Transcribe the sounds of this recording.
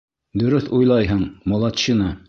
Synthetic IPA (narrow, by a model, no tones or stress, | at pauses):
d̪ɵ̆ɾɵθujlˠɑjɦɤɴmŏlˠɑt̪ɕinɑ